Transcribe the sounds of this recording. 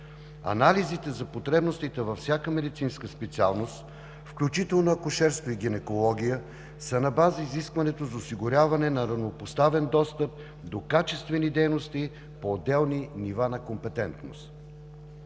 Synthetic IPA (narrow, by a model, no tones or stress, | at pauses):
ɐ̰nalizit̪ɛzɐpot̪ɾɛbnost̪it̪ɛvɐfsʲjakəmɛd̪it̪sinskəspɛt̪sialˠnost̪ | fklʲut͡ʃit̪ɛlˠnoɐkʊʃɛɾst̪voiɡʲinɛkolˠɔɡ̟ʲijə | sənɐbazəiziskvɐnɛt̪ozɐosiɡʊɾʲavɐnɛnɐɾɐvnopost̪avɛnd̪ɔst̪əp̚ | d̪okat͡ʃɛst̪vɛnid̪ɛjnost̪i | poːd̪ːɛlˠninivanɐkompɛt̪ɛnt̪no̰st̪